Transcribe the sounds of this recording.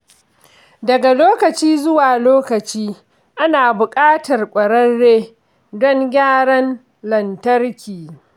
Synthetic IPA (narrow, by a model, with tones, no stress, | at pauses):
dɐ˨ɡa˨loː˦kɐ˨t͡ʃiː˦zʊ˦waː˨loː˦kɐ˨t͡ʃiː˦ | ʔa˦naː˨bʊ˨kʼaː˦tɐ˨rkʷʼɐ˨ɽɐ˦nːeː˦ | dɔ˦ŋɡʲaː˦ɽɐ˦n | lɐ˨ntɐ˦rkʲiː˨